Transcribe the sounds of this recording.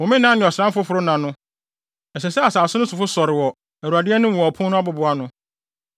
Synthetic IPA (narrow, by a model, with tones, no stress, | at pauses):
wɔ̃˨mɪ̃˦nã˦nɪ̃˨ɔ˨sɪɾã˦mfʊ˦fʊ˨ɾʊ˦nã˨nʊ̃˦ | ɛ˨sɛ˨sɛ˦a˨saː˨sʊ˦nʊ̃˦sʊ˨fʊ˦sɔ˨ɾɪ˨wɔ˨ | ɛ˨ɾu˨a˨dɪ˦ɛ˦nʊ̃˦m˨ɔ˨pʰʊ̃˦nʊ̃˦a˦bʊ˨bʊ˨a˦nʊ̃˦